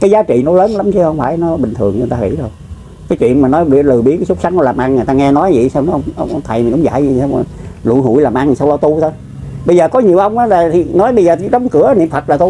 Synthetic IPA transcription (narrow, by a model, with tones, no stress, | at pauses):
kaː˨˦jzaː˨˦t͡ɕḭ˧˨nɔ˨˦ləː˨˦nla˨˦mt͡ɕʰi˧hə˧wŋ͡mfa̰ː˧˩jnɔ˨˦ɓï˨˩ŋ̟t̪ʰɨ˨˩əŋɨ˧˩t̪aː˧ŋḭ˧˥zo˨˩j | kaː˨˦jt͡ɕwḭ˧˨ənmaː˨˩nɔ˨˦jɓɨ˧˩lɨ˨˩ɓi˨˦nkaː˨˦sʊ˦˥k̚sa˨˦ŋnɔ˨˦laː˨˩mʔa˧ŋŋ˨˩jt̪aː˧ŋɛ˧nɔ˨˦jḭ˧˨saː˧wn˧˦˧wŋ͡mʔə˧wŋ͡mʔə˧wŋ͡mt̪ʰa˨˩jmi̟˨˩ʔʊ˨˦ŋ͡mza̰ː˧˨ji˧˩saː˧wlṵ˧˨jɦṵ˧˩˨jlaː˨˩mʔa˧ŋ˨˩sa˧wlɔ˧t̪u˧t̪ʰo˧˦j | ɓə˧jzəː˨˩kɔ˨˦ɲi˨˩əʔə˧wŋ͡mʔaː˨˦laː˨˩t̪ʰi˨˩nɔ˨˦jɓə˧jzəː˨˩i˨˦ɗə˨˦wŋ͡mkɨ˧˩ə˦nḭ˧˨əmfə˨˩t̚laː˨˩t̪u˧